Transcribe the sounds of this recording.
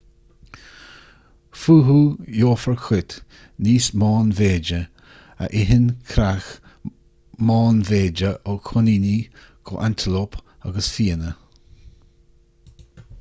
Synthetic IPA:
fuːɦujoːfəɹkʰwɪt̪ | niːsmɑːnveːd͡ʒə | ə̰ʔɪɦɪnkʰɾax | mɑːnveːd͡ʒəʔokʰʊnini | kʰo̰ʔant̪ʰəlop | a̰ɡəsfiːənə

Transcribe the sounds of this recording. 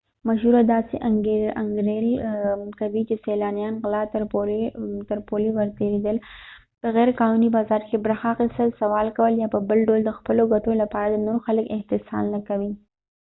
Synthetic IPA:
maʃuɾad̪ɑseʔaŋɡeaŋɡɾelkawit͡ʃeselɑnjɑnɣlɑt̪ɾot̪əɾpolewəɾt̪eɾed̪əl | pəɣɛɾkɑnunibɑzɑɾkebɾaxɑqɪsəlsawɑlkawəljɑpəbəlɖold̪əxpəloɡaʈolapɑɾad̪ənoɾoxaləkɪht̪ɪsɑ̰nːakawi

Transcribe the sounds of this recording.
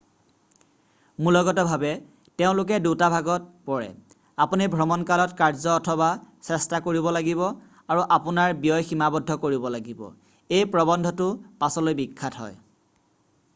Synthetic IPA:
mulɔɡɔtɔbʱabɛ | teʊ̃lʊk̬ɛdutabʱaɡɔt̚pɔɹɛ̰ | apunibʱɹɔmɔnkalɔtkaɹzɔːtʰɔbasɛstakoɹibɔlaɡiβɔ | aɹuʔapʊnaɹbijɔjximabɔdʱːɔkoɹibɔlaɡibɔ̰ | ejpɹɔbɔndʱɔtʊpasɔlojbikʰːatɦɔ̰j

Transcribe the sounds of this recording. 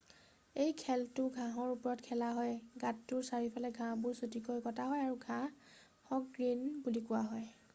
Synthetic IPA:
ejkʰɛltʊɡʱãɦɔɹupɔɹɔtkʰɛlaɦɔjɡatːʊɹsaɹipʰalɛɡʱãbʊɹsutikojkɔtaɦɔjaɹuɡʱã | hɔk̚ɡɹinbulikʊwaɦɔj

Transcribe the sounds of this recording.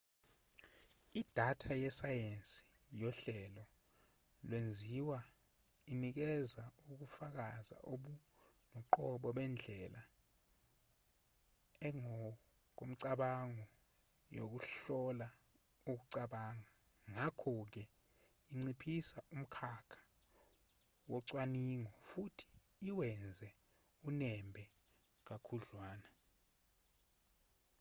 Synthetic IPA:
id̥ʱatʰajɛsajensʼi̥ | jɔɬɛlɔ | lwend͡zʱiwa | inik̬ɛzauk̬ufak̬aza̰ʔoɓu | nɔǃɔɓɔɓɛnd͡ɮʱɛla | ɛŋɔ | k̬om̩ǀaɓaŋɔ | jo̰k̬uɬɔla | uk̬uǀaɓaːŋa | ŋakʰɔk̬ɛ | iŋ͡ǀipʰisaum̩kʰakʰḁ | wɔǀwaniŋɔfutʰi̥ː | wɛnd͡zʱɛ | unɛmbʱɛ | k̬akʰuɮwaːna

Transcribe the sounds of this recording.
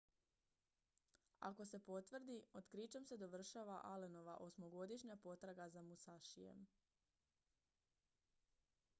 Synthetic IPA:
a̰ko̞se̞po̞t̪ʋr̩d̪iot̪kɾit͡ʃamse̞d̪o̞ʋr̩ʃaʋaʔaleno̞ʋa̰ʔo̞smo̞ɡo̞d̪iʃɲapo̞t̪ɾaɡazamusaʃijḛm

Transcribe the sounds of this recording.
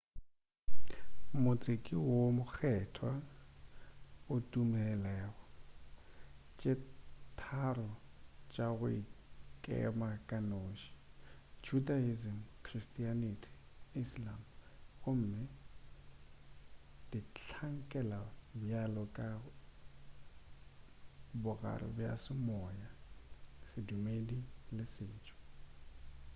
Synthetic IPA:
mʊt͡sʼekʼiwomʊk͡xʰɛtʰwa | ʊtʼumɛlɛːɣɔ | t͡ʃʼɪtʰarɔt͡ʃʼaɣʊḭkʼɛ̰makʼanoːʃi̥d͡ʒudaizim̩kʰristʼianitʰi̥ | islamɣʊm̩mɛ | d̥it͡ɬʰaŋ̩kʼɛlabjalɔkʼa | bʊɣa̰rɪ̰bja̰sɪmɔja | sɪdumedilɪsɪːt͡ʃʼɔ̥

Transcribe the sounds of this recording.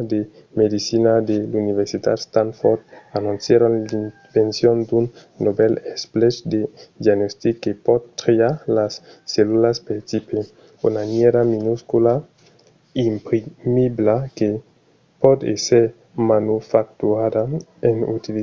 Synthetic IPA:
d̪emed̪isinad̪eluniveɾsit̪a̰t̪st̪anfoɾd̪anunsjeɾonlin | vensjond̪unː | obelesplet͡ʃd̪ed̪jaɡnost̪ikːepɔd̪t̪ɾeaɾlasːelulaspeɾt̪ipe | unanjeɾaminuskula | impɾimiblake | pɔd̪ḛseɾ | manufak̚t̪uad̪aenut̪il

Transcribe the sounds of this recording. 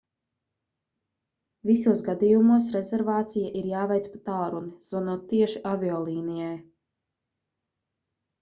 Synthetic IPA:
visuɔsɡad̪ijumuɔs̬ɾezɛɾvaːt̪sijaʔiɾjaːvɛjt̪spat̪alˠɾuniz̥vanuɔːt̪ːiɛʃiʔavʲiɔlˠiːnijaj

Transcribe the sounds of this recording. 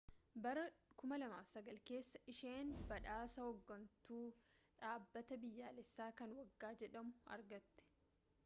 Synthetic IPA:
bɐɾɐkʊmɐlɐmaːfsɐɡɐlke̞ːsːɐ̥ʔɪʃeːnbɐᶑaːsɐhɔɡːɐnt̪uːᶑaːbːɐt̪ɐbɪjːaːlɛsːaːkɐnwɐɡːaːd͡ʒɛᶑɐmʊɐ̰ɾɡɐt̪ːɛ̥

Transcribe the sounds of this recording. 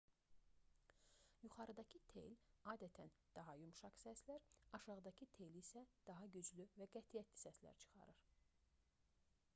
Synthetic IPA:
juχɑɾɯd̪ɑcʰɯt̪ʰḛjlɑːd̪æt̪ʰænd̪̥ɑɦɑjymʃɑksæslæɾɑʃɑʁɯd̪ɑcʰɯt̪ʰe̞jlisæd̪̥ɑɦɑɟyd͡ʒlyvæɡæt̪ʰijæt̪ʰli̥sæslæ̰ɾt͡ʃʰɯ̥χɑ̰ɾɯɾ

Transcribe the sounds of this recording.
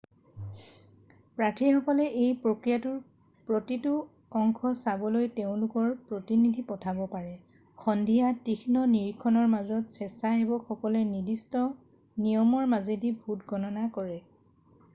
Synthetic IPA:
pɹatʰixɔkɔlɛʔejpɹokɹijatʊɹ | pɹotitʊ | ɔŋkʰɔsabɔlojteʊ̃lʊkɔɹpɹotinidʱipɔtʰabɔpaɹɛ | xɔndʱijatixʰinɔniɹkʰɔnɔɹmazɔtsɛsaɦebɔxɔkɔlɛnidistɔ | nijɔmɔɹmazedibʱutɡɔnɔnakɔɹɛ

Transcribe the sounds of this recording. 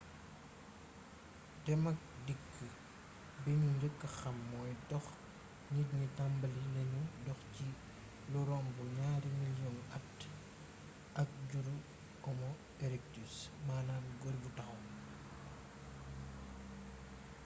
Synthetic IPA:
tɛmɐk̚dikʰːə | bɛɲuɲd͡ʒəkːɐxɐmːɔːjtɔx | ɲitɲitambɐlinɐɲudɔxci | luɾɔmbuɲaːɾimiljɔnɐt | ʔɐk̚ɟuɾu | ɔmɔ | ɛɾɛk̚tusmaːnaːnɡoɾbutɐxum

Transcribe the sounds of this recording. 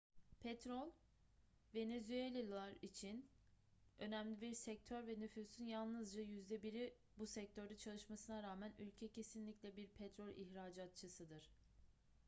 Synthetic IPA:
pʰɛt̪ɾolʲˠ | ve̞nezyelʲalˠaɾit͡ʃʰin | ø̞næmlʲibiɾsɛc̚t̪ʰøɾvɛnyfysynjalˠnɯzd͡ʒajyzd̪ɛbiɾi | busɛc̚t̪ʰøɾd̪at͡ʃʰalˠɯʃmasɯnaɾaːmænylʲcʰɛcʰe̞sinlʲicʲlʲɛbiɾpʰɛt̪ɾo̞lʲʔiçɾaːd͡ʒat̪̚t͡ʃʰɯsɯd̪ɯɾ̥

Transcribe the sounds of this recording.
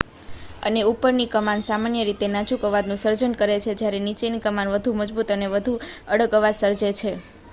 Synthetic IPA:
ə̰neupəɾnikəmansamanjəɾit̪enat͡ʃukəʋad̪nũsəɾd͡ʒənkəɾet͡ʃʰed͡ʒjaɾenit͡ʃenikəmanʋəd̪ʱuməd͡ʒbut̪əneʋəd̪ʱuəɽəɡəʋad̪səɾd͡ʒet͡ʃʰe

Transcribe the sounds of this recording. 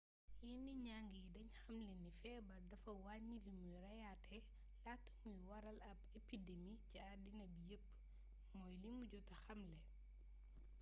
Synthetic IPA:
jiniɲaŋɡijdɐɲxɐmlinifɛbɐɾdɐfɐwaɲilimujɾɐjatʰɛ | latːɐ̥mujwɐɾɐlɐbepidemiciadinɐbijəpː | mɔjlimuɟɔtɐxɐmlɛ

